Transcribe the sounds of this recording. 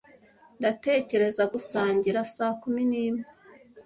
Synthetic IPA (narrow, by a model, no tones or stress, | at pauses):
ndate̞ːce̞ɾe̞zaɡusaːɲɟiɾasaːkuminiːme